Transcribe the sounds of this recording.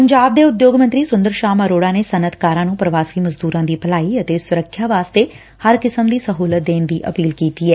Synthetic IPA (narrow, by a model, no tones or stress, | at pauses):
pəɲd͡ʒaːb̚d̪eːʊd̪joːɡmə̃nt̪ɾiːsʊ̃nd̪əɾʃaːməɾoːɽaːneːsənət̪ʰkaːɾãːnũːpɾəʋaːsiːməzd̪uːɾãːd̪iːpəlaːiət̪eːsʊɾəkʰːjaːʋaːst̪eː | həɾkɪsəmd̪iːsəɦuːlət̪̚d̪eːnd̪iːʔə̰piːlkiːt̪iːɛː